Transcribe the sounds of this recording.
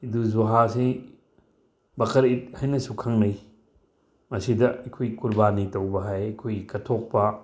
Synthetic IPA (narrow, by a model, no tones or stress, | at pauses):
iduzuɦasi | bɐkʰɐɾit̚hajnɐsukʰɐŋnɐj | mɐsidɐɐjkʰojkuɾbanitɐwbɐɦajɐkʰojkɐtʰok̚pɐ